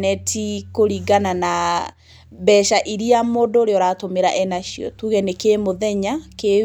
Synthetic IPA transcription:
nɛtʰikoɾiɡanana | bɛʃaʔiɾiamoːndoːɾeɔɾatomeɾa̰ʔɛnaʃiɔ̰tuɣɛnekemoðɛɲake

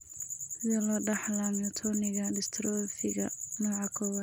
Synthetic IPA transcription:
sɪðɔlɔːɖɐħlamjɔt̪ʰɔnɪɣɐlɪst̪ʰɾɔfɪɣɐnɔːʕɑkʰɔwɐd̪

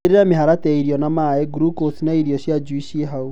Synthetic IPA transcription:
eɾeɾameɦaɾataiɾiɔnamaɛɡɾukosinaiɾiɔɕjad͡ʒuiɕieɦau

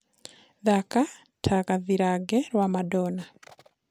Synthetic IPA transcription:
ðaka | tʰakaðiɾaɡeɾwaːmadoːna

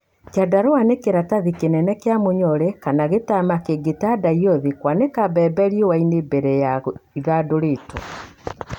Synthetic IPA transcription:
keadaɾoanekeɾataðikenɛnɛkeamoɲɔɾɛkanaɣetamakeɡetadaiɔðekwanekabɛbɛɾiewainebɛɾɛjaiɣadoɾetɔ̰

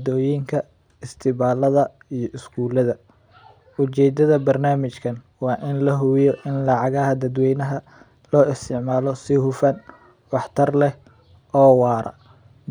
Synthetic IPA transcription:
d̪ɔːjiŋkʰɐ | ɪst̪ʰɪβaːlɐðɐ | ijɞʔɪskʰuːlɐðɐ | ʊt͡ʃɛːd̪ɐðɐbɐrnaːmɪt͡ʃkʰɐn | wɑːʔɪnlɐɦʊjɔʔɪnlɑʕɑɣɐɦɐd̪ɐd̪wɛjnɐɦɐ | lɔːɪst̪ʰɪʕmaːlɔsɪhʊfɐn | wɑħt̪ʰɐrlɛh | ʔɔːwɑːɾɐ̰

